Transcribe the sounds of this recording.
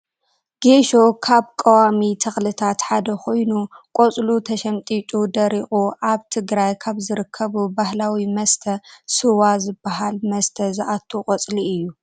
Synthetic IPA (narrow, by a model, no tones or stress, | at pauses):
ɡ̥eʃo̞kʰaβkʼɐwamit̪ʰɐxlɨt̪ʰat̪ħad̪ɐkʰo̞jnukʼot͡sʼlut̪ʰɐʃɐmt̪ʼit͡ʃʼud̪ɐɾixʼuʔaβt̪ʰɨɡɾajkʰaβzɨɾɨkʰːɐβubahlawimɐst̪ʰɐsɨwazɨbːaɦalmɐst̪ʰɐzɨʔat̪ʰːukʼɔt͡sʼliɨjːu